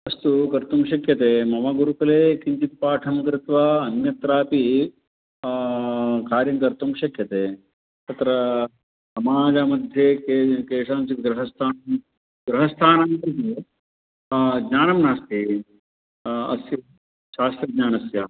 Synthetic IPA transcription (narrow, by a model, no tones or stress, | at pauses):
ɐst̪ukɐɾt̪umʃɐkjɐt̪eːmɐmɐɡuɾukɐleːkiɲt͡ʃit̪̚paːʈʰɐmkɾɪt̪ʋaɐnjɐt̪ɾaːpi | kaːɾjɐŋkɐɾt̪umʃɐkjɐt̪eː | t̪ɐt̪ɾɐ | sɐmaːd͡ʒamɐd̪ʱjekekeːʂaːnsik̪ɡɾɐɦɐst̪ʰaːnm | ɡɾɐɦɐst̪ʰaːnamkɾit̪i | ɡɲaːnɐmnaːst̪i | ɐ̰sjɐ | ʃaːst̪ɾɐɡɲaːnɐsjaː